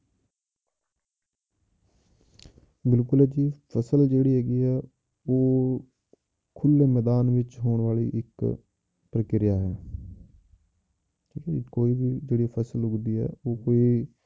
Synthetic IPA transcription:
bɪlkʊlɛːd͡ʒiːpʰəsəld͡ʒeːɽiːɦɛːɡiːɛː | oː | kʰʊleːmɛːd̪aːnʋɪt͡ʃɦoːɳʋaːlḭːʔɪk | pɾəkɪɾɪjaːɦɛː | ʈʰiːkɛːkoːiːbiːd͡ʒeːɽipʰəsəlɦʊɡd̪iːɦɛ̰ːoːkoːiː

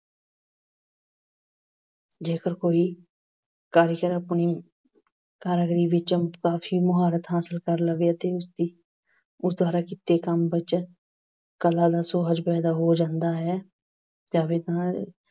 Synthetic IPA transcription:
d͡ʒeːkəɾkoːiː | kaːɾjəkəɾəpniː | kaːɾəɡɾiːʋɪt͡ʃkaːfʰiːmʊɦaːɾət̪ɦaːsəlkəɾləɡjaːt̪eːʊsd̪iː | ʊsd̪waːɾaːkɪt̪ːeːkəmbɪt͡ʃ | kəlaːd̪aːsoːɦəd͡ʒpɛːd̪aːɦoːd͡ʒãːnd̪aːɦɛː | d͡ʒaːʋet̪ã

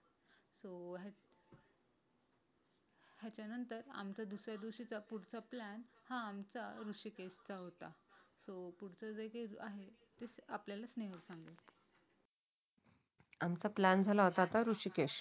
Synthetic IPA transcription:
soɦa | ɦjat͡ɕjanənt̪əɾa̰mt͡sad̪usɾjad̪iɕit͡sapuɽ̤t͡saplænhãːmt͡saɾuʂikeɕt͡saɦot̪asopuɽ̤t͡sad͡zəjkeɾaɦe | t̪esapljalasneɦəɾsãŋɡet̪ | amt͡saplænd͡zʱalaɦot̪at̪aɾuʂikeɕ

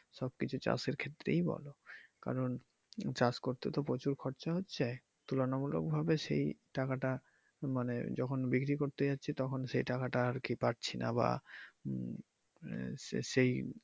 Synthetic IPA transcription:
ʃɔbkit͡ɕʰut͡ɕa̰seɾkʰet̪ːɾḛjbɔ̰loka̰ɾon | t͡ɕaskoɾt̪et̪opɾot͡ɕuɾkʰɔɾt͡ɕaɦotːɕʰe | t̪ulonamulo̰k̚bʱabeʃḛjʈakaʈa | manḛd͡ʑɔkʰonbikɾikoɾt̪ed͡ʑatːɕʰit̪ɔkʰonʃejʈakaʈaaɾkipaʈ̚t͡ɕʰinʔa̰ba̰ | ʃej

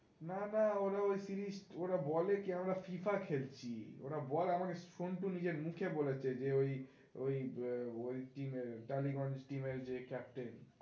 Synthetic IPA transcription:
nanaoɾaojsiɾisʈoɾabɔlekiamɾafifakʰelt͡ɕʰḭo̰ɾabɔleamakeʃonʈunid͡ʑeɾmukʰebolet͡ɕʰed͡ʑeoj | ojojʈimeɾʈaliɡɔnd͡ʑʈimeɾd͡ʑekɛp̚ʈen

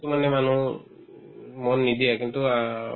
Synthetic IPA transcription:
t̪umanɛmanu | mɔnːid̪ijakint̪ua

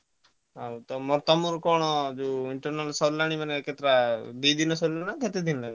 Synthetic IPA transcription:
awt̪ɔmɔɾt̪ɔmuɾkɔɽ̃ɔd͡ʒuiɳʈɔɾnalsɔɾlaɽ̃imaneket̪ɾad̪id̪inɔsɔɾlanaɡ̪et̪ed̪inlaɡ

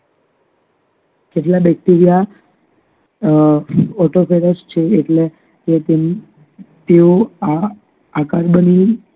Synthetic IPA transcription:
keʈlabɛk̚ʈiɾija | ɔʈofeɾəst͡ʃʰeːʈle | ket̪e | t̪eoa | akaɾbəni

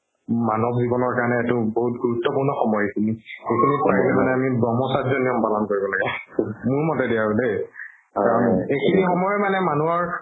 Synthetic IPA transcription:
manɔbzibɔnɔɹkaɹnɛːtʊboɦutɡuɹutːɔpuɹnɔxɔmɔjekʰinixekʰinipaɹilɛmanɛamibɔmɔsadzɔnjɔmpalɔnkoɹibɔlaɡɛmʊɹmɔtɛdijaɹʊde | kaɹɔnekʰinixɔmɔjmanɛmanuɔɹ

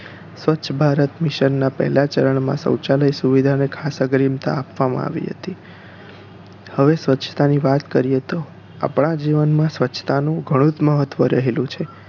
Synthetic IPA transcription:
sʋətːʃʰəbʱaɾət̪mɪʃənːapɛ̰ɦɛlat͡ʃəɾəɳmã̰sə̰̃wt͡ʃaləjsuʋid̪ʱanekʰasəɡɾimt̪a̰ːpʋamã̰a̰ʋḭɦə̰t̪i | həʋesʋətːʃʰət̪aniʋat̪kəɾijet̪o | a̰pɳ̃ad͡ʒiʋənmãsʋətːʃʰə̥t̪anũɡʱəɽ̃ũt̪məɦət̪ːʋəɾəɦelũt͡ʃʰe

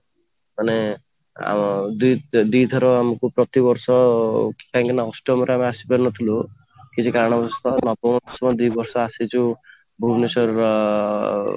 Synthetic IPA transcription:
mane | a̰d̪ud̪id̪ʰʱɔɾɔamɔkupɾɔt̪ibɔɾsɔki̥kaŋkinaɔsʈɔmɔɾeameasi̥pɔɾnɔt̪ʰilu | kit͡ʃʰikaɾɳ̃ɔbɔɾst̪ɔnɔpɔmɔɔsɔmɔd̪ujbɔɾsɔasit͡ʃʰu | bʱubnesɔɾ

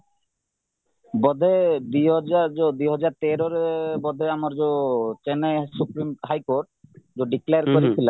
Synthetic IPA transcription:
bɔd̪ʱed̪ujɦɔd͡ʑaɾd͡ʒod̪ujɦɔd͡ʑaɾt̪eɾoɾbɔd̪ʱeamaɾd͡ʑot͡ɕenesupɾimɦajkoɾʈ̚d͡ʑoɖikleaɾkoɾet͡ɕʰila

